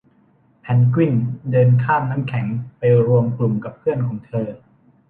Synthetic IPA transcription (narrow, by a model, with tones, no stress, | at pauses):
pʰɛ˩˦nkwi˥˩ndɤː˧nkʰaː˥˩mnaː˦˥mkʰɛ˩˦ŋpa˧jɾu˧əmklu˨˩mka˨˩pʰɯ˥˩ənkʰɔː˩˦ŋt̪ʰɤː˧